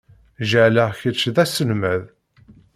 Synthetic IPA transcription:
ʒəʕləʁçət͡ʃːðæsənmæð

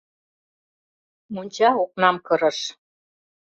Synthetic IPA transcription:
munʲt͡ɕɑoq̚nɑmkɤ̆ɾɤ̆ʃ

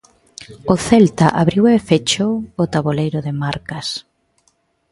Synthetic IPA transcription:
ʊθɛlt̪aʔaβɾiwefet͡ʃoːt̪aβolejɾʊðɪmaɾkɐs

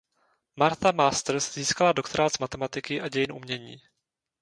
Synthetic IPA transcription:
maɾt̪amaːst̪ɾ̩sz̥iːskaladokt̪oɾaːt̪z̥mat̪ɛmat̪ɪkɪʔaɟɛjɪnʔṵmɲɛɲiː

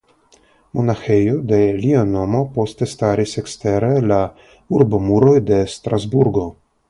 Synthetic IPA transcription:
monaxejod̪e̞liano̞mo̞po̞st̪e̞st̪aɾisekst̪eɾela | uɾbomuɾo̞jd̪e̞st̪ɾazbuɾɡo̞

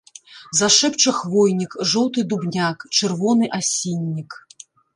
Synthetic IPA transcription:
zaʂɛpt͡ʂɐxvɔjnʲikʐɔwt̪ɨd̪ubnʲakt͡ʂɨrvɔnɨʔasʲinʲːik

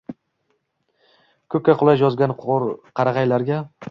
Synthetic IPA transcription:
kʰɵkʲːaqʰʊlˠajjɒzɡʲanɾqʰɑɾɑqɑjlaɾɡʲa

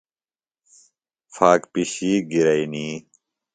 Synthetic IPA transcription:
faːkpiɕiːɡiɾɐiniː

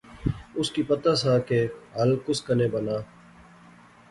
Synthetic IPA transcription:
ʊskiːpɐt̪aːsaːkeɦəlkʊskəneːbənaː

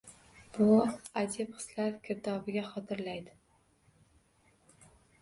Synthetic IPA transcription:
b̥ʊad̪ɪpqɨ̥slaɾkʲʰɪɾd̪ɒbɪɡʲaχɒt̪ʰɪɾlajd̪ɪ

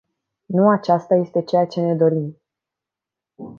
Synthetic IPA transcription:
nuat͡ʃast̪aje̞st̪e̞t͡ʃe̞jat͡ʃe̞ne̞d̪o̞ɾim

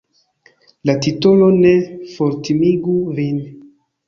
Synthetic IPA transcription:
latitolonefoɾtimiɡuvin

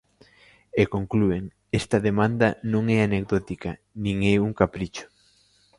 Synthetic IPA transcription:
ekoŋklueŋ | ɛst̪ɐðemãnd̪ɐnõŋɛanek̚d̪ɔt̪ikɐ | nĩŋɛuŋkapɾit͡ʃʊ̥

